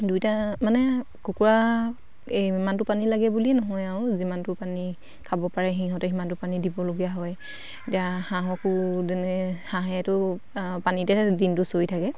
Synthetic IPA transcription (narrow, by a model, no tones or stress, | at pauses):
dujtamanɛ | kukuɹa | emantʊpanilaɡɛbulinɔɦɔjaʊzimantʊpani | kʰabɔpaɹɛɦĩɦɔtɛɦimantʊpanidibɔloɡijaɦɔj | etijaxaɦɔkʊzɛnɛhaɦaɛtʊ | panitɛdintʊsoitʰakɛ